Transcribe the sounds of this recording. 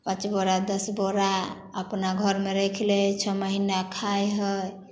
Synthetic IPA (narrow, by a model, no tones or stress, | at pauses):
pãt͡ʃboɾad̪əsboɾa | əpnaɡʱəɾmeɾekʰlɛt͡ʃʰəməɦinakʰajɦəj